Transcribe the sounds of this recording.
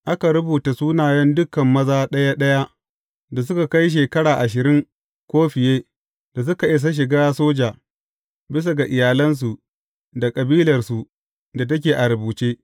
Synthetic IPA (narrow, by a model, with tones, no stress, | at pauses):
ʔa˦ka˨ɾʊ˦buː˨ta˨suː˦naː˨jɛ˦ndʊ˦kɐ˨mːɐ˦zaː˦ɗɐ˦ja˦ɗɐ˦ja˦ | da˨s̬ʊ˦ka˨ka˦jʃ̬eː˨kɐ˦ɽaː˨ʔa˨ʃ̬ɪ˨ɾɪ˦ŋ | kʷoː˦ɸɪ˨jeː˦ | d̥a˨s̬ʊ˦ka˨ʔɪ˦s̬a˦ʃ̬ɪ˨ɡaː˦soː˦d͡ʒaː˨ | bɪ˦s̬a˨ɡa˨ʔɪ˨jaː˨lɐ˦ns̬u˨ | da˨kʼɐ˨biː˦lɐ˨rsu˨ | da˨t̬ɐ˦k̬ʲeː˨ʔa˨ɾɐ˨buː˨t͡ʃeː˦